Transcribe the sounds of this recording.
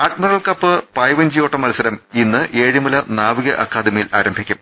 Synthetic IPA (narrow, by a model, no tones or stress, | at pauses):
aːʈmɐrɐɭkɐpːɨpɐːjʋɐnd͡ʑijoːʈːɐmɐlɐsɐɾɐminːɨʔeːɻimɐlɐnaːʋiɣɐʔɐkːaːd̪imijilaːɾɐmbʱikʲːum